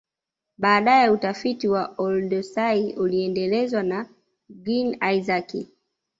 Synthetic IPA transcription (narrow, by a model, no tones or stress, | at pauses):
ɓaːɗajɛutafitiwaɔldɔsaiuliɛndɛlɛzwana | ɡinaizaki